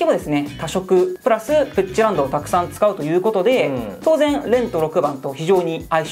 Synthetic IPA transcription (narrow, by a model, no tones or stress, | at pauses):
kʲimo̞d̪e̞sɨne̞t̪aɕo̞kɯ̟pɯ̟ɾasɨpɯt͡ɕːiɾãnd̪o̞ːt̪akɯ̟̥sãnt͡sɨ̥kaɯ̟t̪o̞jɯ̟ːko̞t̪o̞d̪e̞t̪o̞ːzẽ̞nɾẽ̞nt̪o̞ɾo̞kɯ̟bãnt̪o̞çiʑo̞ːɲ̟iai